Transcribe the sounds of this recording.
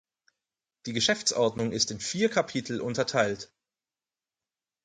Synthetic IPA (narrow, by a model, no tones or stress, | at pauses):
d̥iːɡəʃɛft͡sʔɔɐdnʊŋɪstɪnfiːɐkʰapʰitʰl̩ʔʊntɐtʰaɪlt